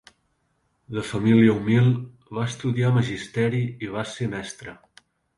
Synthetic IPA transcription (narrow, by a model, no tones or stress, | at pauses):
d̪əfəmiliəumilˠ | βaəst̪uðiaməʒist̪ɛɾiiβ̞asemɛst̪ɾə